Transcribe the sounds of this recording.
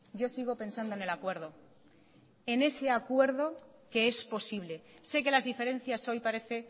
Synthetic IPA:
ɟ͡ʝo̞siɣ̞o̞pe̞nsand̪oene̞lakwe̞ɾð̞o̞ | ene̞se̞akwe̞ɾðo̞ke̞e̞spo̞siβ̞le̞se̞ke̞lazðife̞ɾe̞n̟θjaso̞jpaɾe̞θe̞

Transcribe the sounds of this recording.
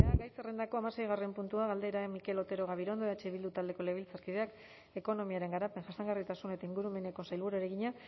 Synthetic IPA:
aɣajserend̪ako̞amase̞jɣare̞mpunt̪uaɣald̪e̞ɾamike̞lo̞t̪e̞ɾo̞ɣ̞aβ̞iɾo̞nd̪oeat͡ʃeβild̪ut̪ald̪e̞ko̞leβilt͡saɾkið̞e̞ak | e̞ko̞no̞miaɾe̞ŋɡaɾape̞nʝasaŋɡarit̪asune̞t̪aiŋɡuɾume̞ne̞ko̞sajlβuɾoeɾe̞ɣiɲa

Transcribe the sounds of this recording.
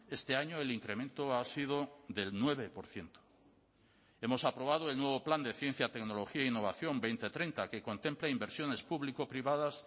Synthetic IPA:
e̞st̪e̞aɲoeliŋkɾe̞mẽ̞nt̪oasiðoðe̞lnwe̞β̞e̞po̞ɾθje̞nt̪o̥ | e̞mo̞sapɾo̞β̞að̞oe̞lnwe̞β̞o̞pland̪eθje̞n̟θjat̪e̞kno̞loxiainːo̞β̞aθjo̞mbejnt̪e̞t̪ɾejnt̪ake̞ko̞nt̪e̞mpleimbeɾsjo̞ne̞spuβliko̞pɾiβaðas

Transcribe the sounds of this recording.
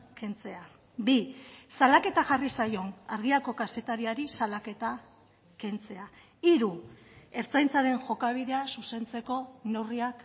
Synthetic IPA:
ke̞nt͡se̞a | bisalake̞t̪aʝarisajo̞naɾɣiako̞kase̞t̪aɾiaɾisalake̞t̪a | ke̞nt͡se̞a | iɾu | e̞ɾt͡sajnt͡saɾe̞nʝo̞kaβ̞iðe̞asuse̞nt͡se̞ko̞ne̞wriak

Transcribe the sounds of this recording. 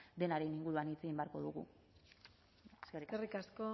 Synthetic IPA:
d̪e̞naɾe̞niŋɡuɾuanit͡seɣimbeaɾko̞ðuɣṵ | eskerikerikasko

